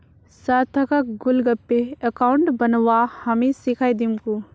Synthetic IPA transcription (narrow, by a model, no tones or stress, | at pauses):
sat̪ʰɐkɐk̚ɡʊlɡəpːeəkaʊɳʈbɐnʋahɐmesikʰaːjd̪imku